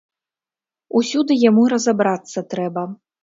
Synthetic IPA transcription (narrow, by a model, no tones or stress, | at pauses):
usʲud̪ɨjamuɾɐzabɾat̪sːɐt̪ɾɛbɐ